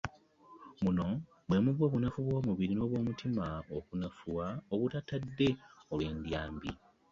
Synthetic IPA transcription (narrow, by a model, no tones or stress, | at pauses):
muno̞ | bwe̞muβwo̞ːβunafuβwo̞ːmuβiɾino̞ːβwo̞ːmutʰimaokunafuwaoβutatadːe̞olwe̞ːndjaːmbḭ